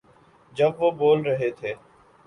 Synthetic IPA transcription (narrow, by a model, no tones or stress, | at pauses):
d͡ʒəbʋoːboːlɾəɦeːt̪ʰeː